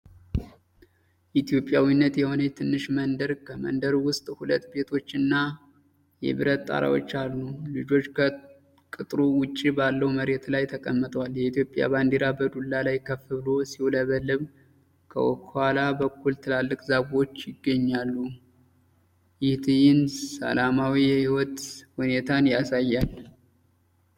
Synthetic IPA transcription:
ʔit̪ʰijo̞pʼːjawinːət̪jɛho̞nət̪ʰɨnːɨʃmənd̪əɾkʰəmə̰nd̪əɾwʊst̪ʼhulət̪ːbe̞t̪ʰo̞t͡ʃːɨnːa | jɛ̰βɨɾət̪ːʼa̰ɾa̰wo̞̰t͡ʃːalːulɨd͡ʒo̞t͡ʃːkʰə | kʼɨt̪ʼɾuwʊt͡ʃʼːibalːəwməɾe̞t̪lajt̪ʰəkʼəmːɨt̪ʼwaljɛit̪ʰijo̞pʼːja̰band̪eɾabəd̪ulːalajkʰəfɨβɨlo̞siwoləβəlːɨβ | kʰə̰wʔɔ̰khwalabəkːult̪ʰɨlalːɨkʼzaɡo̞t͡ʃːjɪɡːəɲːalːu | jɪht̪ʰɨjɪnsə̰lamawijɛhiwɔt̪hune̞t̪ʰanjasajːal

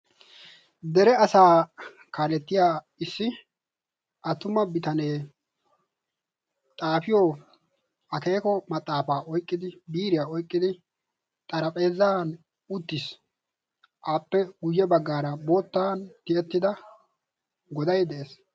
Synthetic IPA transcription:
d̪ɛɾɛɐsaː | kaːlɛt̪ːɪjaː | ɪsːɪ | ʔɐt̪ːʊmɐbɪt̪ɐne̞ː | t̪ʼaːfɪjoː | ɐke̞ːkɔmɐt̪ʼːaːfaːʔɔjkʼːɪd̪ɪbiːɾɪjaːɔjkʼːɪd̪ɪ | t̪ʼɐɾɐpʼe̞ːzːaːn | ʊt̪ːɪs | ʔaːpːɛɡʊjːɛbɐɡːaːɾɐbo̞ːt̪ːaːnt̪ɪɛt̪ːɪd̪ɐ | ɡɔd̪ɐjd̪ɛʔeːs

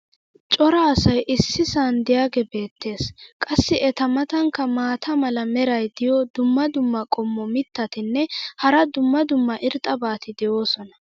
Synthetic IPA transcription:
t͡ʃʼɔɾɐːsɐjʔɪsːɪsand̪ɪjaːɡɛbe̞ːt̪ːe̞ːskʼɐsːɪʔɛt̪ɐmɐt̪ɐŋkːɐmaːt̪ʰɐmɐlɐmɛɾɐjd̪ɪjɔd̪ʊmːɐd̪ʊmːɐkʼɔmːɔmɪt̪ːɐt̪ɪnːɛhɐɾɐd̪ʊmːɐd̪ʊmːɐʔɪɾt̪ʼɐbaːt̪ɪd̪ɛjo̞ːsɔnɐ

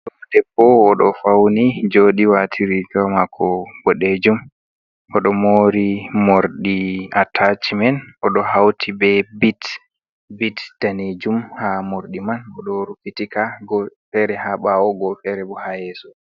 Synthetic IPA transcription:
ɗɔdɛpːɔːɗɔfawnid͡ʒoɗiwatʰiɾiɡamakʰːɔbɔɗed͡ʒum | ʔɔɗɔmoɾimoɾɗiatʰat͡ʃimɛnɔɗɔɦawtʰibɛbit | bitd̥aned͡ʒumhamoɾɗimanɔɗɔɾukitikaɡɔfɛɾɛhaɓaɔɡɔlfɛɾɛbɔhajɛsɔ

